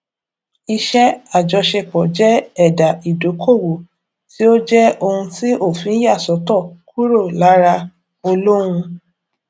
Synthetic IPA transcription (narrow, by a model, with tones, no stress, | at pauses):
i˧ʃɛ˦a˦˨d͡ʒɔ˧ʃe˧k͡pɔ˨d͡ʒɛ˦ɛ˦˨da˨i˨do˨˦kʰo˦˨wo˨ | ti˦o˦d͡ʒɛ˦o˧hũ˧ti˦ʔo˦˨fĩ˨˦ja˦˨sɔ˨˦tɔ˦˨ku˦ɾo˦˨la˨˦ɾa˧ | o˧lo˦ɾ̃ũ˧